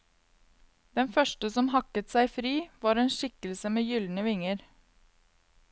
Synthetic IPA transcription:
d̪̥ɛnfœʃʈəsɔmhɑkət̪sæɪfɾiːʋɑːɾeːnʃɪkəlsəmeːjʏln̩əʋɪŋəɾ

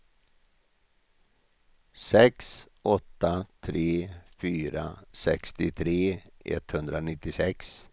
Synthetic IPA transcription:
sɛks | ɔt̪ːat̪ʰɾeːfyːɾa̰sɛkst̪ɪt̪ʰɾeːɛ̰t̪ːhɵnd̪ɾanɪt̪ːɪsɛks

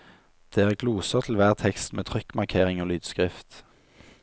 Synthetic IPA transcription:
d̪̥eːæʁəɡʰluːsəʁt̪ʰl̩ʋæːʁt̪ʰɛkst̪meːt̪ʰʁʏkːmɑʁkʰeːʁɪŋoːlyːd̪̥skʁɪft̪

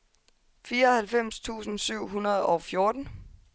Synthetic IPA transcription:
fiːɐɒ̽hælfem̰st͡sʰṵːsn̩syʊ̰ɦunɐð̞ˠɒʊfjo̝ɐd̥n̩

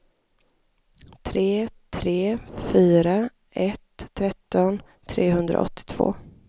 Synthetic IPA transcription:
t̪ʰɾeːt̪ʰɾeːfyːɾa | ʔɛt̪ʰːɾɛt̪ːɔn | t̪ʰɾeːɦɵnd̪ɾa̰ʔɔ̰t̪ːɪ̥t̪ʰv̥o̰ː

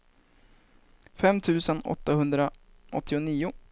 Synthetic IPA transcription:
fɛmt̪ʰʉ̟ːsənɔ̰t̪ːahɵnd̪ɾa | ʔɔ̰t̪ʰːɪʊniːʊ

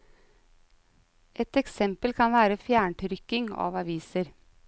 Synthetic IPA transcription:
ʔɛt̪ɛksɛmpəlkʰɑnʋæːɾəfjæːɳʈ̪ʰɾʏkɪŋɑ̰ːʋɑʋiːsəɾ

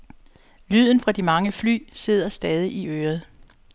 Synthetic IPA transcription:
lyð̰ˠn̩fʁɑ̈d̥imɑ̈ŋəfly̰ːse̝ð̰ˠɐsd̥ɛːðˠiʔiøːɐð̩ˠ

